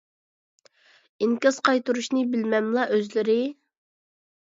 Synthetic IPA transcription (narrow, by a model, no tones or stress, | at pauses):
ɪŋkʲɑzqɑjt̪uɾuʃnɨbɪlmɛmlˠɑʔøzlɪɾɪ